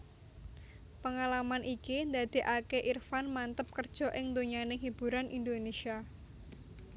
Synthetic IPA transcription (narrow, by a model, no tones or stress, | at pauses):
pəŋalamanʔikind̪ad̪̥e̤ʔakeʔirfanmant̪əp̚kərd̥ʒ̥ɔ̤ʔɪŋd̪oɲanɪɦib̥ṳɾanʔind̪onesia